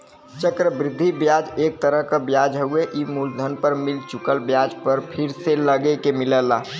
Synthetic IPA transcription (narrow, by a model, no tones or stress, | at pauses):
t͡ʃəkɾəbɾɪd̪ʱːibjad͡ʒeːk̚t̪əɾəɦkabjad͡ʒɦəueʔimuld̪ʱənpəɾmɪlt͡ʃʊkəlbjad͡ʒpəɾpʰɪɾseləɡekemɪləlaː